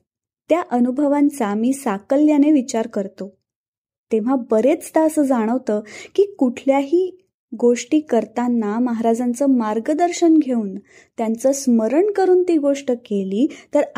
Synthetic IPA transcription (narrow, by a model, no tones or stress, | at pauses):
t̪jaʔənubʱəʋãnt͡samiːsakəljaneʋit͡ɕaɾkəɾt̪o | t̪eʋ̤abəɾet͡st̪aəsəːd͡zaɽ̃əʋt̪əːkiːkuʈʰljaɦiː | ɡoʂʈiːkəɾt̪anːaməɦaɾad͡zant͡səːmaɾɡəd̪əɾɕənɡʱeuːn | t̪jant͡səsməɾəɳkəɾuːnt̪iːɡoʂʈəkeliːt̪əɾ